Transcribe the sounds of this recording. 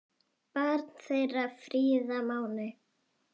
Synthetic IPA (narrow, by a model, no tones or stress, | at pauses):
paɾt̪n̥θejrafɾiːðamaːwnɪ